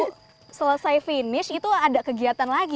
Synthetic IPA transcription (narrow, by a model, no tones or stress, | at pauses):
sələsajfinɪsit̪uadaʔkəɡiat̪anlaɡi